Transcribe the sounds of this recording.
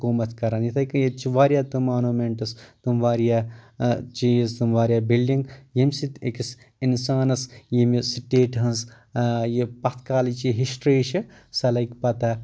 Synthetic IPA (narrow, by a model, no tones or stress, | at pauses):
koːmɐt̪ʰkɐɾanjit̪ʰɐkɨjet͡ʃiʋaːɾjaːt̪umaːnuːmeɳʈɐst̪umʋaːɾijaːt͡ʃijist̪umʋaːɾjaːbilɖiŋɡjimʲsit̪ekis | insaːnɐsjimisiʈeːʈɦɐnz | jipɐt̪ʰkaːlit͡ʃiɦiʃʈɾiːʃisɐlɐkʲpɐt̪a